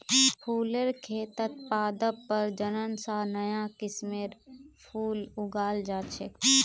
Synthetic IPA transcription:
pʰuːleɾkʰeːt̪ət̪̚paːd̪əːəɾd͡ʒənənsanəjakɪsmeːɾpʰuːlʊɡaːld͡ʒaːt͡ʃʰek

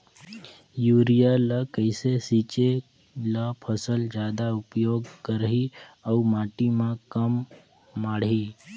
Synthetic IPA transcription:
juːɾijalakəɪsesit͡ʃe | lapʰəsəld͡ʒjaːd̪aʊpjoːɡkəɾɦiaumaːʈimãkəmː | aːɽi

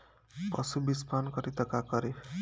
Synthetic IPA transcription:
pʌsubispankʌɾit̪ʌkakʌɾe

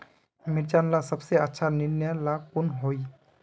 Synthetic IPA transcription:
miɾd͡ʒanlasʌbseətːʃʰaniɾnalakunɦoj

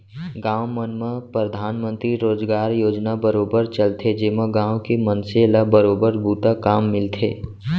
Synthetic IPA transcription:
ɡãːwmənməpɾəd̪ʱaːnmə̃nt̪ɾiɾoːd͡ʒɡaːɾjoːd͡ʒnabəɾoːbəɾt͡ʃəlt̪ʰed͡ʒeːmaɡãːwkemənselabəɾoːbəɾbʱuːt̪akaːmːɪlt̪ʰḛː

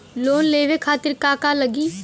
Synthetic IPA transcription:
loːnleːʋeːkʰaːt̪ɪɾkaːkaːləɡiː

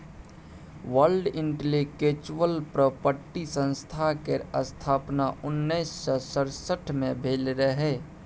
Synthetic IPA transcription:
wəlɖɪɳʈlikeːt͡ʃwəlpɾəpəɾʈisə̃nst̪ʰakeəst̪ʰaːpnaʊnːəɪsːɔsəɾsəʈʰmẽbʱeːlɾəɦeː

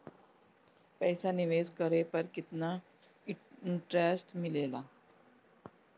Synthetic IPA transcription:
pəjsaniʋeskəɾepəɾkit̪na | ɳʈɾesʈmilela

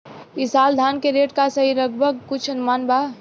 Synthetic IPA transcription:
isaːld̪ʱaːnkeɾeːʈkasəɦiɾəɡbʱəɡkʊt͡ʃʰənmaːnba

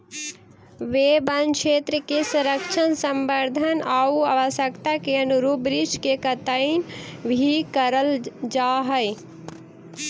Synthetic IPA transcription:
ʋebənkʃʰeːt̪ɾəkesuɾəkt͡ʃʰənsə̃mbəɾd̪ʱənauaʋəsjəkt̪akeənuɾubɾit͡ʃkekət̪əinbʱikəɾəld͡ʒaɦəj

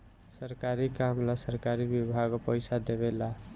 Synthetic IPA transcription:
sʌɾkaɾikamlasʌɾkaɾibibʱaɡpʌjsad̪eβela

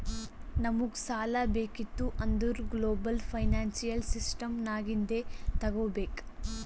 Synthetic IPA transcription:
nɐmuɡsaːlɐbeːkit̪ːuʔɐnd̪uɾɡloːbɐlpʰɐjnaːnsijɐlsisʈɐmnaːɡind̪et̪ɐɡoːbeːk

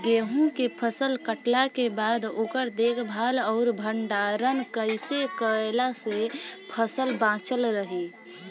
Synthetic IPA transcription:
ɡeːɦũkepʰəsəlkəʈlakebaːd̪oːkəɾd̪eːkʰbʱaːlɔːɾbʱəɳɖaːɾənkəɪsekəelasepʰəsəlbãːt͡ʃəlɾəɦi

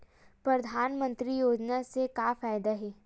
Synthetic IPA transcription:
pɾɐd̪ʱaːnmə̃nt̪ɾijoːd͡ʒnasekaːfaːjd̪aɦɛː

